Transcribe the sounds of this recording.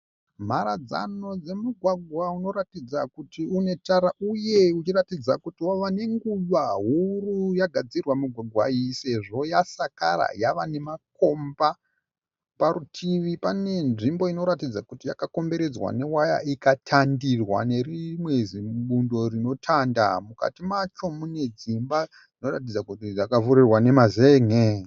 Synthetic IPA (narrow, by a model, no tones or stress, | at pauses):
m̤aɾad͡za̰no̞d͡ze̞muɡʱwaɡʱwauno̞ɾatid͡zakutiune̞taɾaʔuje̞ut͡ʃiratid͡zakutiwaʋane̞ŋɡuʋaɦurujaɡʱad͡zirwamuɡʱwaɡʱwaise̞ʐo̞jasaka̰ra̰jaʋane̞mako̞mba | paɾutʰiʋipane̞nʐimbo̞ino̞ɾatid͡zakutijakako̞mbe̞ɾe̞d͡zwa̰ne̞waja̰ikatʰandirwa̰ne̞rimweziɓundo̞rino̞tʰandamuka̰timat͡ʃo̞mune̞d͡zimba | d͡zino̞ratid͡zakutijakavurirwane̞mazeŋe